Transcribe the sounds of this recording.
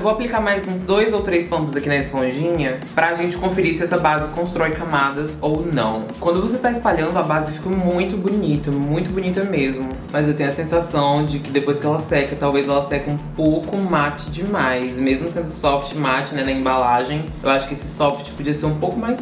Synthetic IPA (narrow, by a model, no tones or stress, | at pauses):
ewvowaplikaɾmajzũzd̪ojzowt̪ɾejspɐ̃nt̪ʊzakinɐɪspõʒĩɲɐpɾɐːʒẽnt͡ʃɪ̥kõfeɾiɾsɪɛsɐbazɪkõst̪ɾɔjɪkamad̪ɐzownɐ̰̃w̃kwɐ̃nd̪ʊvoset̪aɪspaʎɐ̃nd̪ʊabazɪfi̥kɐmũj̃t̪ʊbunit̪ɐmũj̃t̪ʊbunit̪ɐmezmʊ | mɐzewt̪eɲʊɐsẽsasɐ̃w̃d͡ʒɪkɪd̪epojskɪɛlɐsɛkɐt̪awvezɛlɐsɛkɐũpowkʊmat͡ʃɪd͡ʒɪmajsmezmʊsẽnd̪ʊsɔft͡ʃɪmat͡ʃɪnɛnɐẽbalaʒẽj̃ | ewaʃʊ̥kɪesɪsɔft͡ʃɪ̥pod͡ʒiɐseɾũpowkʊmajs